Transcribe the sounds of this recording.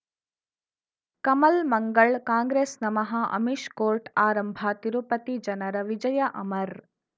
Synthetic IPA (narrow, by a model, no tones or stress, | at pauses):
kɐmɐlmɐŋɡɐɭkaːŋɡɾeːsnɐmɐɦɐʔɐ̰miʃkoːɾʈaːɾɐmbʱɐt̪iɾupɐt̪id͡ʒɐnɐɾɐʋid͡ʒɐjɐʔɐmɐɾ